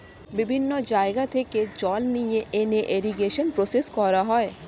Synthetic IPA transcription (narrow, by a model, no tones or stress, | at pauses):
bibʱinːod͡ʑaeɡat̪ʰeked͡ʑɔlnijeeneʔeɾiɡeʃonpɾoseskɔɾaɦɔe